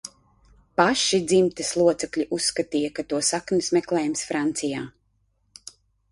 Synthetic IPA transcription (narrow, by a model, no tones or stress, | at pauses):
paʃid̪zimt̪ɛslˠuɔt̪sɛklʲiʔusːkat̪iːjakat̪uɔsaknismɛklˠɛːjumsfɾant̪sijaː